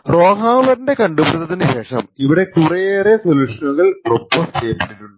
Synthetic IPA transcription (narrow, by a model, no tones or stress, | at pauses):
ro̞ːɦaːlɐɾnɖe̞kɐɳɖupɐɽt̪ːɐt̪ːinɨɕe̞ːʂɐ̰miʋiɽe̞kurɐjeːresoluːʂɐnuɣɐɭrobːɐsʈeːpːi̥ʈːiʈːuɖɨ